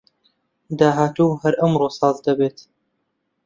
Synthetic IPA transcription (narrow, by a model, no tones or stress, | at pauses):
d̪aːɦaːt̪uhɐɾʔɐmɾoːsɑːzd̪ɐbeːt̪